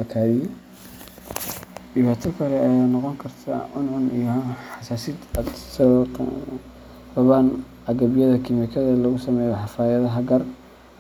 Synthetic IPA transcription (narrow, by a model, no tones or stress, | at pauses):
ɐk̪ʰaːjɪ | ɖɪβaːt̪ʰɐkʰɐlɛɐjaːnɑqɔŋkʰɐrt̪ʰɐ̰ʔʊnʕʊnijɔħɑsaːsid̪d̪s | rɐβaːn | ɐɡɐβɪjɐðɐkʰɪmɪkʰɐðɐlɐɣʊsɐmɛːjɔħɑfaːjɐðɐɦɐɡɐr